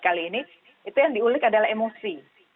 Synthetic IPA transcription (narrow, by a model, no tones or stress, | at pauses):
kaliːni | it̪ujaŋdiulɪkadalahemosi